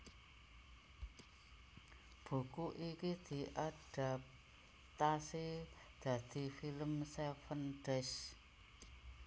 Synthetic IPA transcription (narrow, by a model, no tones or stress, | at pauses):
b̥ṳkuʔikid̪̥i̤ʔad̥ap̚ | t̪asi | d̪̥a̤d̪̥i̤filəmsefənɖ̥ɛs